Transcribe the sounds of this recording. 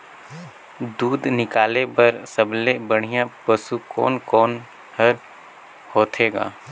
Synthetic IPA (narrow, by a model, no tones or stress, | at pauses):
d̪uːd̪nɪkaːlepɐɾsəblebəɽ̤̃ɪjãpəsukɔ̰ːnkɔːn | həɾ | hoːt̪ʰeːɡa̰ː